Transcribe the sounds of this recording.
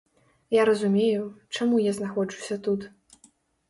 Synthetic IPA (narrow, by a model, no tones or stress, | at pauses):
jaɾɐzumʲejut͡ʂamujaznaxɔd͡ʐusʲɐt̪ut̪